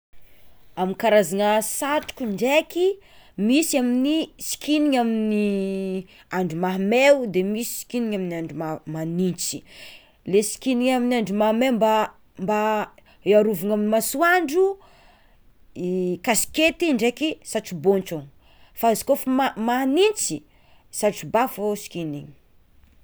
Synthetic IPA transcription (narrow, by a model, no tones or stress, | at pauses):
amikaɾazaŋasaʈ͡ʂu̥kuɳɖ͡ʐeki | misiaminisi̥kʰiniŋamini | aɳɖ͡ʐumaɦmeud̪emisi̥si̥kiniŋaminaɳɖ͡ʐumamanint͡si̥ | lesi̥kiniŋaminaɳɖ͡ʐumahmewmba | mba | eaɾuvuŋaminimasuaɳɖ͡ʐu | ikasi̥ket̪iɳɖ͡ʐekisaʈ͡ʂibont͡ʃon | fazḁkofumanint͡si | saʈ͡ʂibafosi̥kiniŋ